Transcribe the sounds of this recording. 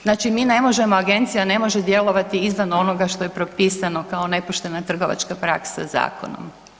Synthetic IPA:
znaːt͡ʃimine̞mo̞ʒe̞moaɡe̞nt̪sijane̞mo̞ʒed̪je̞lˠo̞ʋat̪iizʋano̞no̞ɡaʃt̪o̞jepɾo̞piːsano̞kao̞ne̞poʃt̪e̞nat̪r̩ɡo̞ʋa̰t͡ʃkapɾa̰ksa̰za̰ːko̞̰no̰m

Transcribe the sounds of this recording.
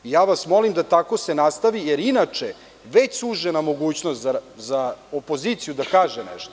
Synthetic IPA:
ijaːʋasmo̞limd̪at̪ako̞senast̪aʋijeɾinat͡ʃe | ʋet͡ɕsuʒenamo̞ɡuːt͡ɕnost̪zazaopo̞ziːt̪sijud̪akaːʒenɛ̰ʃt̪o

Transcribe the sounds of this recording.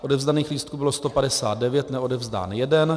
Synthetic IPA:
ʔo̞dɛvzdaniːxliːst̪̚kubɪlost̪o̞padɛsaːt̪̚dɛvjɛt̪nɛo̞dɛvzda̰ːnjɛdɛn

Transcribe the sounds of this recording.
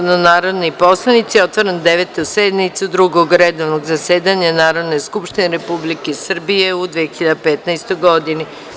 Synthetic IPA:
nanaːɾo̞d̪nipo̞slˠanit̪sio̞t̪ʋoɾend̪eʋet̪used̪nit̪sud̪ɾuɡoɡɾed̪oʋnoɡzaseːd̪aɲanaːɾo̞d̪neskupʃt̪ineɾepublikesr̩bijeud̪ʋiexiʎad̪apet̪najst̪ojɡo̞d̪ini

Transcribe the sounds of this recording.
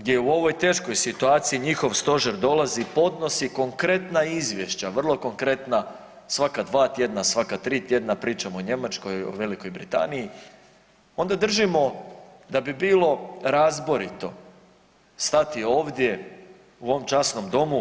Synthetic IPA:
ɡd̪jeuo̞ʋo̞jt̪e̞ːʃko̞jsit̪uaːt̪siiɲixo̞ʋst̪o̞ʒeɾd̪o̞lˠazipo̞d̪no̞siko̞ŋkɾe̞t̪naizʋje̞ʃt͡ɕaʋr̩lˠo̞ko̞ŋkɾe̞t̪na | sʋakad̪ʋaːt̪je̞d̪nasʋakat̪ɾiːt̪je̞d̪napɾiːt͡ʃamooɲe̞mat͡ʃko̞jo̰ʋe̞liko̞jbɾḭt̪a̰niji | o̞nd̪ad̪r̩ʒimo̞ | d̪abibiːlˠo̞ɾazboɾit̪o̞ | st̪at̪io̞ːʋd̪je̞ | uo̞ʋomt͡ʃasno̞md̪o̞mu

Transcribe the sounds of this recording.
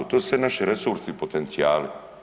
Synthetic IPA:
ut̪osɛnaʃiɾesuɾsipot̪ent̪siaːli

